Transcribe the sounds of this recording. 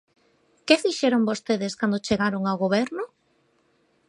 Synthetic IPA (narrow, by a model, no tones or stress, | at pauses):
keðiʃɛɾoŋbost̪eðeskand̪ot͡ʃeɣaɾoŋawɣoβ̞ɛɾnʊ